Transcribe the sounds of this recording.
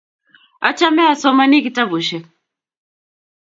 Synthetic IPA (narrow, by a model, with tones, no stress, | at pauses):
a˦t͡ʃa˦mɛ˦a˨sɔ˦ma˦ni˦ki˨ta˦βu˨ʃɛ˨